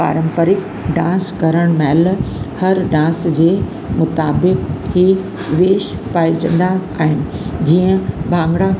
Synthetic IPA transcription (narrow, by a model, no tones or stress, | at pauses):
pa̰ːɾə̃mpəɾɪk | ɖãːskɐɾəɽ̃mɛːlhɐɾɖãːsd͡ʑeː | mʊt̪aːbɪkhi | ʋeːʃpaːit͡ɕɐ̰̃nd̪aaːɦɪnɪ̆d͡ʑiːə̃bʱãːŋɡɽa